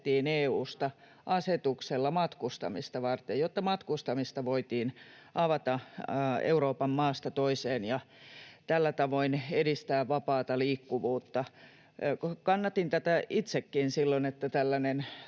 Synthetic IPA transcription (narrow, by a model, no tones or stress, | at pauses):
t̪ːiːneːuːst̪ɑ | ʔɑset̪ukselːɑmɑt̪kust̪ɑ̰mist̪ɑʋɑrt̪ejot̪ːɑmɑt̪kust̪ɑmist̪ɑʋoit̪iːn | ɑʋɑt̪ɑ | ḛuroːpɑmmɑːst̪ɑt̪oiseːnjɑ | t̪ælːæt̪ɑʋoinedist̪æːʋʋɑpɑːt̪ɑliːkːuʋuːt̪ːɑ | kɑnːɑt̪int̪æt̪æit̪sekːiːnsilːonet̪ːæt̪ælːænen